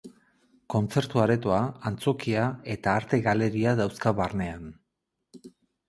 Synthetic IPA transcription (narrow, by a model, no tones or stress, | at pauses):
ko̞nt͡se̞ɾt̪uaɾe̞t̪oaant͡so̞kiae̞t̪aːɾt̪e̞ɣale̞ɾiaðawskaβarne̞an